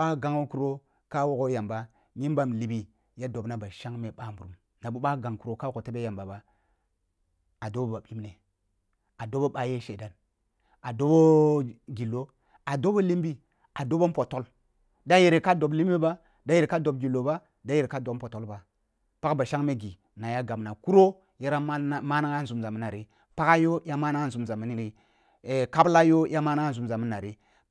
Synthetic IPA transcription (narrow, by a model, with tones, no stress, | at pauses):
ɓa˦ɡa˦ŋo˦ku˨ɾo˦ | ka˦wo˨ko˦ja˨mba˨ | ɲi˦n˦ba˦m˨li˨bi˨ | ja˦do˨bna˦ba˨ʃa˦ŋme˨ɓa˦mbu˨ɾu˨˦m | na˨bu˦ɓa˦ɡa˨ŋku˨ɾo˨ka˦ko˨te˦be˦ja˨mba˨ba˦ | a˨do˦bo˦ba˨ɓi˦mne˨ | a˨do˦bo˦ɓa˦je˦ʃe˨da˦n | a˨do˦bo˦ɡi˨lːo˦ | a˨do˦bo˦li˦mbi˦ | a˨do˦bo˦po˨to˦l | da˦je˨ɾe˨ka˦do˨bli˦m˦i˦ba˦ | da˦je˨ɾe˨ka˦do˨b̚ɡi˨lːo˨ba˦ | da˦je˨ɾe˨ka˦do˨bpo˨to˦lba˨ | pa˦kba˨ʃa˦ŋme˦ɡi˨ | na˨ja˦ɡa˨m˨na˨ku˦ɾo˦ | je˦ɾa˦ma˦na˦ŋa˦n˨zu˨˦mza˨mi˦na˨ɾi˦ | pa˦ka˦jo˦ja˦ma˦na˦ŋa˦n̩˨zu˨mza˨mi˨˦ni˦ɾi˦˨ | ka˦bla˦jo˦ja˦ma˦na˦a˦n̩˨zu˨mza˨mi˦na˨ɾi˦